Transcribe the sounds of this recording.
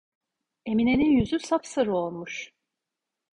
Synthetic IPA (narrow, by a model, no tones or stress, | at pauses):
e̞mine̞ninjyzysapsɯɾɯo̞lˠmuʃ